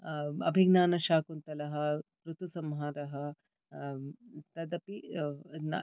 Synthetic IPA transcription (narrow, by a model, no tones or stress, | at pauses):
ɐ̰bʱiɡnaːnɐʃaːkunt̪ɐlɐɦɐpɾut̪usɐmɦaːɾɐɦɐ | t̪ɐd̪ɐpi